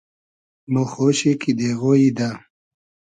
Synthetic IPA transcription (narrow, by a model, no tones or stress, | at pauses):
noxoɕikid̪eɣojid̪a